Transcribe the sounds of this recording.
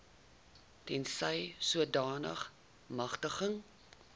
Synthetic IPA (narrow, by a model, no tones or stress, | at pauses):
tɛnsəjsuədɑːnə̰χ | mɐχtəχəŋ